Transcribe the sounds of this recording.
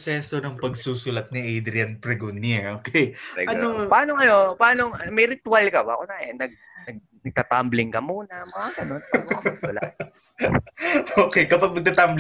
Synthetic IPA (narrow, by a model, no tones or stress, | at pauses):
sɛːso̞nɐŋpɐɡsuːsʊlɐt̪̚niʔejd̪ɾɪɐnpɾɛɡonɛʔoːkejɛ̰ɐopɐaːnoŋɐno̞pɐaːnoŋmɛjɾɪt̪ʊalkɐba̰konaʔɛnɐɡ̚ | nɐɡ̚ | nɐɡ̚t̪at̪amblɪŋkɐmuːnɐmɐaɡɐnonpːɡoɐɐla̰ | oːkɛjkɐpɐɡ̚nɐɡ̚t̪at̪ambl